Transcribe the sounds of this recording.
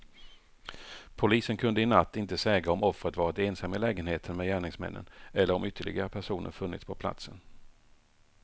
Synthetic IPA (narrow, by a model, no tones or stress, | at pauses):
pʰʊliːsənkʰɵnd̪əɪnat̪ːɪnt̪əsɛːɡɾaɔmɔfːɾət̪vɑːɾat̪eːnsamːəlɛːɡənheːt̪ʰənmɛjæːɳɪŋsmɛ̰nːə̰nɛlːəɾɔmʏt̪ʰːəɭɪ̰ɡaɾəpʰæʂuːnʔə̰ɾfɵnːɪ̰t̪spʰɔpʰla̰t̪sən